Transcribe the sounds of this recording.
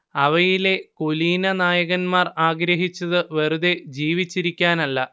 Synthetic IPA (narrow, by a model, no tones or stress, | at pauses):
ɐʋɐjile̞koliːnɐnaːjɐɣɐnmaːraːɡɾɐɦit͡ɕːɐðɨʋɐɾuðe̞d͡ʑiːʋit͡ɕːiɾikʲːaːnɐlːɐ